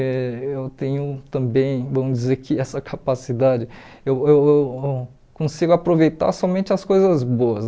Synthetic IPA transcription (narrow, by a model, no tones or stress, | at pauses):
ewt̪ẽɲ̃ʊt̪ɐ̃bẽj̃vɐ̃mʊd͡ʒizeɾkɪɛsɐkʰapasid̪ad͡ʒɪ | eweweww | kõsiɡʊapɾovejt̪a̰sɔmẽnt͡ʃɪɐskojzɐzboɐs